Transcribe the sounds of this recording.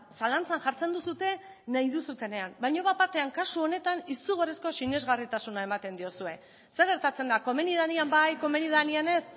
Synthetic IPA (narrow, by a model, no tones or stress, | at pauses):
salant͡sanʝaɾt͡se̞nd̪usut̪e̞ | naiðusut̪e̞ne̞ambajɲoβapaɾt̪e̞aŋkasuo̞ne̞t̪anisuɣoresko̞sine̞zɣarit̪asunae̞mat̪e̞nd̪io̞sue̞ | se̞ɣ̞e̞ɾt̪at͡se̞nd̪ako̞me̞nið̞aniambajko̞me̞niðaniane̞s